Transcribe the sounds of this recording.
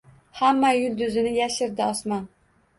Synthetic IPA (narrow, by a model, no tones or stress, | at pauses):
hæmːɑjyld̪yzɪnɪjɛʃɪɾd̪ɪɑsmɑn